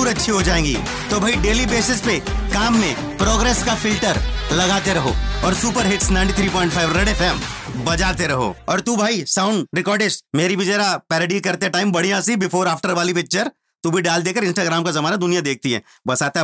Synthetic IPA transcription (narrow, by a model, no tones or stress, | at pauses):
uːɾɐtːʃʰiɦod͡ʒaːẽːŋɡḭ | t̪obʱaiɖeːlibeːsɪspekaːmːẽ | pɾɔːɡɾɛːskafɪlʈəɾlɐɡaːt̪eɾɐɦo̰ɔːɾsuːpəɾɦɪʈsnãɪ̃ɳʈit̪ʰɾiːpɔ̃ːɪ̃ɳʈfʰaːɪʋɾeɖefɛːmbɐd͡ʒaːt̪eɾɐɦo̰ːɔːɾt̪ubʱaːisãʊ̃ɳɖɾɪkɔːɾɖɪʃmeːɾibʱid͡ʒɛːɾapɛːɾəɖikɐɾt̪eɛʈaːɪmbɐɽ̤ijãsibɪfoːɾaːfʈəɾʋaːlipɪk̚t͡ʃəɾ | t̪ubʱiɖaːld̪eːkəɾɪ̃nsʈaːɡɾaːmkazɐmaːnad̪ʊnijad̪eːk̚ʰt̪iɦɛ̰ː | bɐsaːt̪e